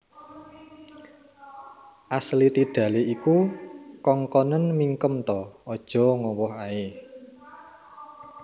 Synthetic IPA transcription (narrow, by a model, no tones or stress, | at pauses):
ʔaslit̪iɖ̥ä̤leikukɔŋkɔnənmiŋkəmt̪ɔɔd̥ʒ̥ɔ̤ŋɔwɔhae